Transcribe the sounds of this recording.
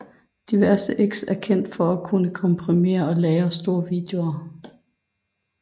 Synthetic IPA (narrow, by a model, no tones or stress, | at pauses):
d̥iʋæɐsəʔeɡ̥sæɐkʰen̰d̥fɒ̽ækʰunəkʰɒ̽mpʰʁime̝̰ːɐɒ̽lɛːɐsd̥o̝ːɐʋiːd̥eo̝ɐ